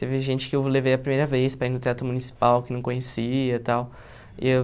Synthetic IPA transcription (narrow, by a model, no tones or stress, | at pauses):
t̪evɪʒẽt͡ʃɪ̥kɪewlevejɐpɾimejɾɐvespɾɐinʊt̪eat̪ɾʊmunisi̥pawkɪnɐ̃w̃kõɲesiɐt̪aw̰